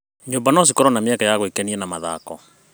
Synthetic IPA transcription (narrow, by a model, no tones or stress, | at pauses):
ɲoːmbanɔs̬ikɔɾɔnameakajaɣoikɛniɛnamaða̰kɔ